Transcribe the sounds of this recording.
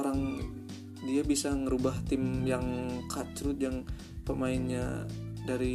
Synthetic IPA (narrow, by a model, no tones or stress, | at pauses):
oɾaŋ | diabisaŋəɾubaht̪ɪmjaŋkʰat͡ʃɾut̪̚jaŋ | pəmaɪnɲa̰ | daɾi